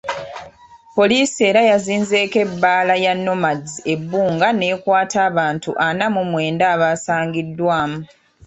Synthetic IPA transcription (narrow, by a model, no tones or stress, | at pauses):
po̞liːsie̞ːɾajaziːnze̞ːke̞bːaːlajanːo̞mazie̞bːuːŋɡane̞ːkwaːtʰaːβaːntuʔanamumwe̞ːndaːβaːsaːŋɡidːwaːmu